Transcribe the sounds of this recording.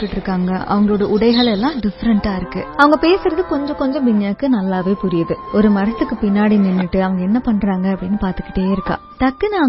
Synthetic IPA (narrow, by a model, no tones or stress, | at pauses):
kːɪʈːɪɾɯkːaːŋɡɐʔɐ̰ʋɐŋɡɐɭoːɽɐʔʊɽɐɪɣɐɭɛlːãːɖɪfɾɐɳʈaːɪɾɯkːɯɐʋɐŋɡɐpeːsɯɾɐðɯkɔɲd͡ʒɔ̃kɔɲd͡ʒɔ̃ʋɪɲːjaːkːɯnɐlːaːʋeːpʊɾɪjɐðɯɔɾɯmɐɾɐt̪ːɯkːɯpɪnːaːɽinɪnːɯʈːɯɐʋɐŋɡɐɛnːɐpɐɳːɾaːŋɡɐɐpːɐɽɪnːɯpaːɾt̪ɯ̥kːɪ̥ʈːeːɪɾɯkːã̰ːt̪ɐkːɯnaː